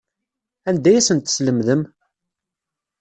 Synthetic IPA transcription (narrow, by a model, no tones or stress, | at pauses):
ænd̪æjæsənt̪ə̥sləmðəm